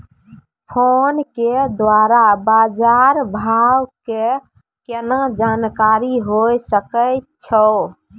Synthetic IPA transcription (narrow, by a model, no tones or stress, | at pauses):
pʰonked̪waɾabad͡ʒaɾbʱawke | kenad͡ʒankaɾiɦojsəkə | t͡ʃʰə